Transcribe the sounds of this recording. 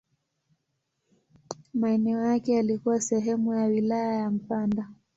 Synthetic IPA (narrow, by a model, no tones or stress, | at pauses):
maɛnɛɔjakɛalikuwasɛɦɛmujawilajajam̩panda